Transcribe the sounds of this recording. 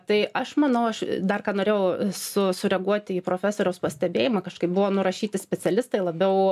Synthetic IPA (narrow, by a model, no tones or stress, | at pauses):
t̪ɐɪʔɐʃmɐnɐʊɐʃd̪ɐrkɑːnoːɾʲeːjɛʊsʊsʊɾʲɛɡuɔt̪ʲɪiːpɾoːfʲæːsoːɾʲɛʊspɐsʲt̪ʲɛbʲeːjɪmɑkɐʃkɐɪp̚bʊʋoːnʊɾɐʃʲiːt̪ʲɪsʲpʲɛt͡s̪ʲɛlʲɪst̪ɐɪlˠɐbʲɛʊ